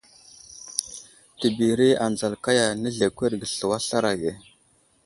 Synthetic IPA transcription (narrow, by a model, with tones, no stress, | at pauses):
tə˨bi˨ɾi˦a˨nd͡za˨lka˦ja˨nə˦ɮe˨kʷe˦ɾɡə˨ɬə˨wa˦ɬa˦ɾa˨ɡe˨